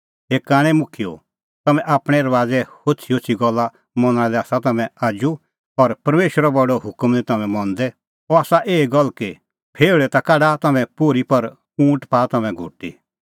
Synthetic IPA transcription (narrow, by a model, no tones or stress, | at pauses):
ɦeːkːaːɽ̃ɛ̃mʊkʰijo̰ | t̪ɐmɛ̃ʔaːpɽ̃ɛɐɾʋaːd͡zɛhot͡ʃʰiot͡ʃʰiɡɔlːa | mɔ̃nəɽ̃ɛ̃lɛaːsat̪ɐmɛ̃aːd͡ʒu | ɔɾpɐɾmeːʃwəɾɔbɔɖɔɦʊkəmlit̪ɐmɛ̃mɔ̃nd̪ɛ | ɔaːsaʔeːɡɔlːke | pʰeːɭɛt̪akaɖat̪ɐmɛ̃poːɾipɐɾ | ũːʈpaːt̪ɐmɛ̃ɡʱʊ̰ʈːḭ